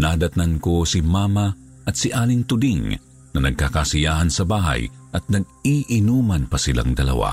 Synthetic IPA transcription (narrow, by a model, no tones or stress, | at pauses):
naːd̪ɐt̪nankosimaːma | ʔɐt̪sɪʔaːlɪŋt̪ʊd̪iŋ | nɐnɐɡ̚kakasɪjaːhɐnsɐbaːɦɐ̰jʔɐt̪̚nɐɡ̚iʔɪnuːmɐnpɐsɪla̰ŋd̪ɐlɐ̰wa̰